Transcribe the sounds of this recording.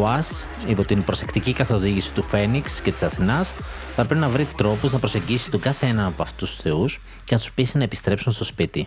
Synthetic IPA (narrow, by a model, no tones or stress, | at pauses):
oɐs | ipo̞t̪inpɾo̞se̞kt̪icikɐθo̞ðiʝisi̥t̪ufe̞niksce̞t̪i̥sɐθinɐsθɐpɾepinɐvɾit̪ɾo̞puznɐpɾo̞se̞ɲɟisi̥t̪o̞ɡɐθeenɐnɐpoɐft̪ot̪ust̪u̥sθe̞us | cenɐt̪u̥spisinɐepi̥st̪ɾe̞psunst̪o̞spit̪i